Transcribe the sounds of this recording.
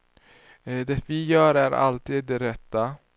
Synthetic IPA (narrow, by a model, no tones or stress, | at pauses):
d̪ɛvijœːɾæɾʔa̰lt̪iːd̪̚ːɛɾɛt̪ːa